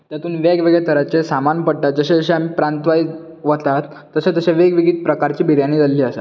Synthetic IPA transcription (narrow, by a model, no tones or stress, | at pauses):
t̪jat̪uːnʋeɡʋeɡɭjet̪ʰəɾat͡ɕesamanpəɽʈ̪at̪̚d͡zəɕed͡zəɕeam̤iːpɾant̪ʋaj | ʋət̪at̪ːəɕãt̪əɕaʋeɡʋiɡiːt̪̚pɾəkaɾt͡ɕiːbʱiɾjaniːd͡zalliːəsa̰